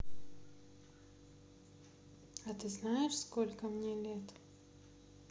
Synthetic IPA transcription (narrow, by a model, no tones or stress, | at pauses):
at̪ɨznajɪʂskolʲkəmnʲelʲet̪